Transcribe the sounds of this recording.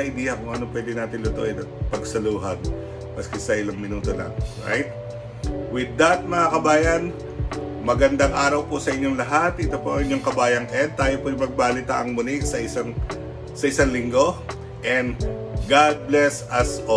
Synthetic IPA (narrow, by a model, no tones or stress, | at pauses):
ɐʔɪd̪ɛːjɐkʊŋʔɐnopwɛːd̪ɪnaːt̪ɪnlʊt̪o̰ʔɛd̪ɐt̪̚pɐɡsɐluːɦɐd̪̚ | bɐskɛsɐʔɪlaŋmɪnuːt̪olɐ̰ŋɹa̰jt̪̚ | wɪd̪ːɐt̪̚mɐŋakɐbaːjɐn | mɐɡɐnd̪aŋʔaːɾɐwposɐʔɪɲːoŋlɐɦat̪ʔɪt̪opoʔɐŋɪɲːoŋkɐbaːjɐŋɛnd̪̚t̪ːaːjopʊɪjmɐɡ̚baːlɪt̪aʔɐŋmʊnɪɡsɐʔɪsɐŋ | sɐʔɪsaŋlɪŋɡo̞ | ʔɛnd̪ | ɡad̪̚blɛsɐsʔo